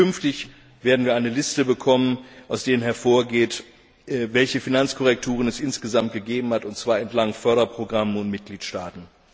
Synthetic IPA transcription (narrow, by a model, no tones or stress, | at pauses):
ʏnftɪç | v̥eːɐdn̩viːɐʔaɪnəlɪstəbəkʰɔmənʔaʊsd̥eːʁənɦɛɐfoːɐɡeːt | vɛlçəfinant͡skʰɔʁɛk̚tʰuːʁənɛsʔɪnsɡ̥əzamt̚ɡ̥əɡeːbm̩hatʊntt͡sv̥aːɐɛntlaŋfœɐɾɐpʁ̥oɡʁamənʊntmɪt̚ɡ̥liːtʃtaːtn̩